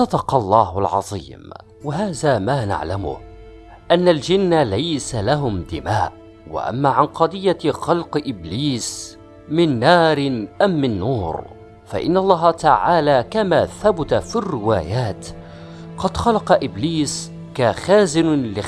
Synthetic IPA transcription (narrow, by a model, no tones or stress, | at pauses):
sˤɑd̪ɑqɑlˤːɑːhalʕɑ̰ðˤḭːm | waɦaːðaːmaːna̰ʕlamʊ̰ | ʔanːald͡ʒɪnːalajsalaɦʊmd̪ɪmaːʔ | wa̰ʔa̰mːaːʕanqɑd̪ˤɨjːaxɑlqʔɪbliːs | mɪnːɑːɾʔamːɪnːuːɾ | fa̰ʔɪ̰nːaɑlˤːɑːɦɑt̪aʕaːlaːkamaːθabʊt̪afirːɪwaːjaːt̪ | qɑd̪xɑlɑqɑʔɪbliːs | kaxaːzɪnlɪ